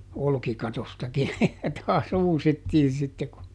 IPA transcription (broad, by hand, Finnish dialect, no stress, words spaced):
olkikɑtostɑkin jɑ tɑːs uːsitːiːn̞ sitːe ku